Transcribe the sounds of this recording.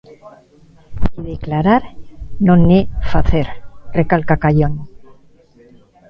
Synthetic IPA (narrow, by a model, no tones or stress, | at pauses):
iðeklaɾaɾnõnefaθeɾrekalkakajon